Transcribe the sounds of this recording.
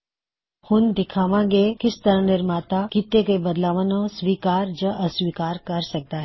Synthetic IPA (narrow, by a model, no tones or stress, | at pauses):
hʊnd̪ɪkʰaːʋãŋɡekɪst̪əɾãnɪɾmaːt̪akit̪eɡəjbəd̪laːʋanõsʋiːkaːɾd͡ʒəʔəsʋiːkaːɾkɐɾsɐk̚d̪aɦɛ